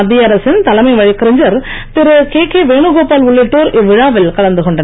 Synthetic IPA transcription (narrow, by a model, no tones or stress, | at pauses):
ɐd̪ːijɐɾɐsɪnt̪ɐlɐmɐɪʋɐɻɪkːɪɾɪɲd͡ʒɐɾpɪɾɯkeːkeːʋeːɳɯɣoːpaːlʊɭːɪʈːoːɾɪʋɪɻaːʋɪlkɐɭɐnd̪ɯkɔɳɖɐn